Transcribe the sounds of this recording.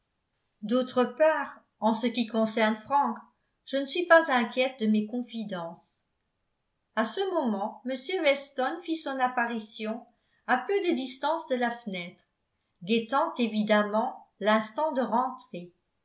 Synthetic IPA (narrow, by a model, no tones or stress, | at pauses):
d̪ot̪χəpaːʁ | ɑ̃səkʲikɔ̃sɛʁnfχɑ̃k | ʒ̥ənəsɥipazɛ̃kʲjɛt̪̚d̪əmekɔ̃fid̪ɑ̃s | asəmɔmɑ̃məsjøvɛst̪ɔnfisɔ̃napaʁisjɔ̃ | apød̪əd̪ist̪ɑ̃sd̪əlafənɛt̪χ | d̪et̪ɑ̃t̪evid̪amɑ̃lɛ̃st̪ɑ̃d̪əʁɑ̃t̪χe